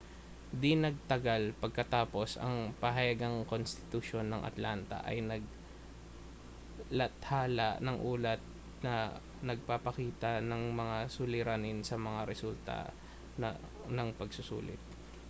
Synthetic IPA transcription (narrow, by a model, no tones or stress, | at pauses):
d̪ɪnɐɡ̚t̪ɐɡalpɐɡ̚kɐt̪aːpo̞sɐ̰ŋpɐɦɐjɐɡaŋko̞nst̪ɪ̥t̪ʊʃo̞nːɐŋʔɐ̰t̪lant̪ɐ̰ʔɐ̰jnɐɡ̚ | lɐt̪haːlɐʔnɐŋʔuːlɐt̪̚ | nɐ | nɐɡ̚papɐkiːt̪ɐnɐŋmɐŋasʊlɪɾanɪnsɐmɐŋaɾɛsult̪a̰ | nɐŋpɐɡsʊsṵːlɪ̰t̪̚